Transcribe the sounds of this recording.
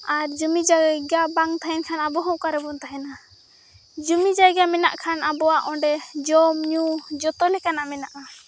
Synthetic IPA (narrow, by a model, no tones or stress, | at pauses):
aɾd͡ʒumid͡ʒaɡɡabaŋt̪ʰaɦɛnkʰanabɔɦɔkaɾɛbɔnt̪aɦɛna | d͡ʒumid͡ʒaɡamɛna̰ʔkʰanabɔwaʔɔ̃ɖɛd͡ʒɔmɲud͡ʒɔt̪ɔlɛkanaʔmɛnaʔa